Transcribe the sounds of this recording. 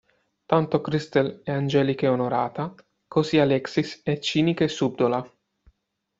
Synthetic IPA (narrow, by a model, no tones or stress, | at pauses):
t̪ant̪okɾist̪elɛand͡ʒɛːlikeonoɾa̰ːt̪a | kosialɛksisɛt͡ʃːiːnikesub̚d̪ola